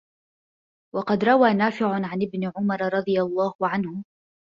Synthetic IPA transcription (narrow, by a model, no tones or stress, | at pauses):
wɑqɑd̪ɾˤɑwaːnaːfɪʕʊʕanɪbnɪʕʊmɑɾˤɾˤɑd̪ˤɨjalˤːɑːhʊʕanhʊ